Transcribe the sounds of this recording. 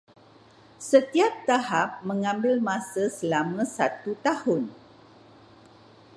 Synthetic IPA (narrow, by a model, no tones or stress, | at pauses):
sət̪iap̚t̪aɦap̚mə̃ŋãmbɪlmãsəsəlamə̃sa̰t̪ut̪ahʊn